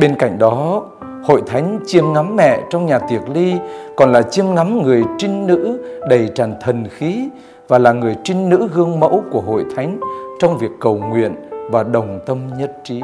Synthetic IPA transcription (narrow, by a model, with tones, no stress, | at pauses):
ɓe˧nka̰˧˩jŋ̟ɗɔ˨˦ | ho̰˧˨jt̪ʰa˨˦jŋ̟t͡ɕi˧əmŋa˨˦mːɛ̰˧˨t͡ɕɔ˧wŋ͡mɲaː˨˩t̪i˨˩ək̚li˧kɔ˨˩nlaː˨˩t͡ɕi˧əmŋa˨˦mŋɨ˨˩əjt͡ɕi˧ŋnɨ̰˧˥ɗə˨˩jt͡ɕaː˨˩nt̪ʰə˨˩nxi˨˦ | vaː˨˩laː˨˩ŋɨ˨˩əjt͡ɕï˧ŋnɨ̰˧˥ɣɨ˧əŋmə̰˧˥wku˧˩əɦo̰˧˨jt̪ʰa˨˦jŋ̟t͡ɕɔ˧wŋ͡mvi˨˩əkːə˨˩wŋwḭ˧˨ənvaː˨˩ɗə˨˩wŋ͡mt̪ə˧mɲə˦˥t̚t͡ɕi˨˦